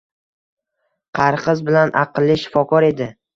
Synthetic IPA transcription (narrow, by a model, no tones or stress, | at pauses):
qʰɑɾqɨzbɪlanʔɑqɨlˠːɪʃɪ̥fɒkʰɒɾe̞d̪ɪ